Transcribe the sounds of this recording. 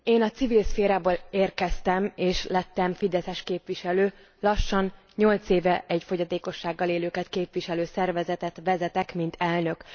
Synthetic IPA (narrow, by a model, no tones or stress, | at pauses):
eːnɒt̪sivilsfeːɾaːboːleːrkɛst̪ɛmeːʃlɛt̪ːɛɱfid̪ɛsɛʃkeːpʋiʃɛløː | lɒʃːɒn | ɲo̞lt̪seːvɛʔɛɟfo̞ɟɒt̪eːko̞ʃːaːɡːɒleːløːkɛt̪keːpvʋiʃɛløːsɛrvɛzɛt̪ɛt̪ʋɛzɛt̪ɛkmint̪ʰɛlnø̞k